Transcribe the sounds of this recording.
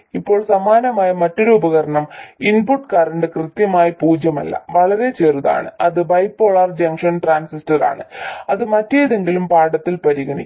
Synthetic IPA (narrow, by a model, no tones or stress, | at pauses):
ipːo̞ːɭsɐmaːnɐmaːjɐmɐtːoɾuubɐɣɐɾɐɳɐminpuʈːkɐɾɐɳɖɨkrɨt̪jɐmaːjɐpuːd͡ʑjɐmɐ̰lːɐ̰ʋɐɭɐɾe̞t͡ɕeːruða̰ːɳɨ̰ɐðɨbɐjpːoːɭɐrd͡ʑɐŋkʂɐnʈraːnsistɐra̰ːɳɨ̰ɐðɨmɐtːejiðe̞ŋɡilumpaːɽɐt̪ːilpɐɾiɣɐɳḭ